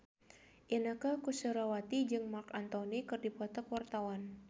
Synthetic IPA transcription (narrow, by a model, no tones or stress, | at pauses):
ʔinakakusəɾawat̪id͡ʒɨŋmarkant̪ɔnikɨrdipɔt̪akwart̪awan